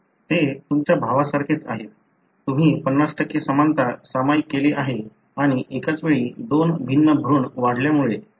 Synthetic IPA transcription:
t̪et̪umt͡ɕjabʱaʋasaɾkʰet͡sa̰ɦe | t̪um̤iːpənːasʈəkːesəmant̪asamajkːeleʔaɦe | aɽ̃iʔekat͡sʋeɭiːd̪onbʱinːəbʱɾuːɳʋaɽljamuɭe

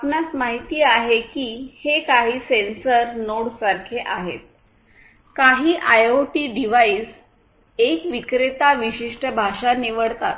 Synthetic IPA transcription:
apnat͡smaɦit̪iːaɦekiːhekaɦiːsensəɾnoɽsaɾkʰeʔaɦḛt̪̚ | kaɦiːʔajoʈiːɖiʋais | ekʋikɾet̪aʋiɕiʂʈəbʱaʂaniʋəɽt̪at̪

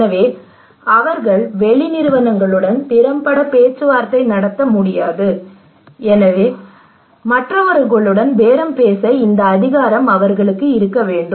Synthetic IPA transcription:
ɐʋeː | ɐʋɐɾɣɐɭʋɛɭɪnɪɾɯʋɐnɐŋɡɐɭɯɽɐnpɪɾɐmpɐɽɐpeːt͡ʃːɯʋaːɾt̪ːɐɪnɐɽɐt̪ːɐmʊɽɪjaːðɯ | ɛnɐʋeː | mɐʈrɐʋɐɾɯɣɐɭɯɽɐnʋeːɾɐmpeːsɐɪnd̪ɐːðɪɣaːɾɐmɐʋɐɾɣɐɭɯkːɯɪɾɯkːɐʋeːɳɖɯ

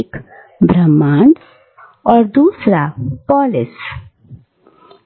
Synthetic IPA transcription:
k | bɾəmːaɳs | ɔːɾd̪uːsɾapɔːlɪs

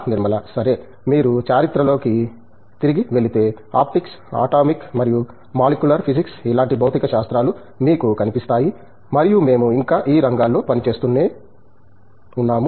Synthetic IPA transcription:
niɾmɐlɐsɐɾe̞ː | miːɾut͡ʃaːɾit̪ɾɐlo̞ːki | t̪iɾiɡiʋe̞lit̪e̞ː | a̰ːp̚ʈiks | a̰ːʈaːmikmɐɾiju | maːlikjulɐɾpʰisiksilaːɳʈibʱɐwt̪ikɐʃaːst̪ɾaːlu | miːkukɐnipist̪aːji | mɐɾijume̞ːmuiŋkaːʔiːɾɐŋɡaːlːo̞ːpɐnit͡ʃe̞ːst̪unːeː | unːaːmu

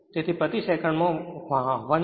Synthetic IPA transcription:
t̪et̪ʰipət̪iʃekʰəɳmõʋaɦãʋan

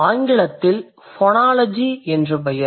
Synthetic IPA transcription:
aːŋɡɪɭɐt̪ːɪl | fɔnaːlɐd͡ʒiɛndrɯpɐjɐ

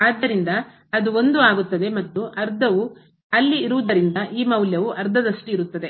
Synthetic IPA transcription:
aːd̪ːɐɾind̪ɐː | d̪uo̞nd̪uaːɡut̪ːɐd̪e̞mɐt̪ːuʔɐɾd̪ʱɐʋu | ɐlːiːɾuʋud̪ɐɾind̪ɐʔiːmɐwljɐʋuʔɐɾd̪ʱɐd̪ɐʂʈiːɾut̪ːɐd̪e̞

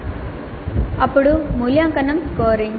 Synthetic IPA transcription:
ɐpːʊɽumuljaːŋkɐnɐmkoːɾiŋ

